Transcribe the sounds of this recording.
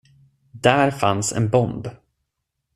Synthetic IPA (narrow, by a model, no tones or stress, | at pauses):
d̪æːɾfansɛ̰nbɔnd̪